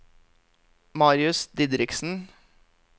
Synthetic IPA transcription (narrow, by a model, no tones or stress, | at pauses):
mɑːɾɪʉsd̪ɪd̪ɾɪksn̩